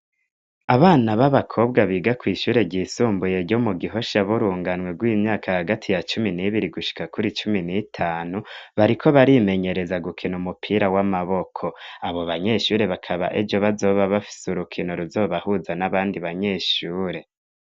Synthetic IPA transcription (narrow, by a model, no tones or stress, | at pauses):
aβaːnaβaβakʰo̞ːb̚ɡaβiːɡakwiːʃuːɾe̞ɟiːsuːmbuje̞ɾɟo̞muɡiɦo̞ʃaβuɾuːŋɡanwe̞ɡwiːmɲaːkʰahaɡatʰijat͡ʃuminiβiɾiɡuʃi̥kakuɾit͡ʃuminitʰaːnuβaɾikʰo̞βaɾime̞ɲe̞ɾe̞zaɡukʰinumupʰiːɾawamaβo̞kʰo̞aβo̞βaɲe̞ːʃuːɾe̞βakʰaβa̰ʔed͡ʒo̞βazo̞βaβafi̥suɾukʰinoɾuzo̞ːβahuzanaβaːndiβaɲe̞ːʃuːɾe̞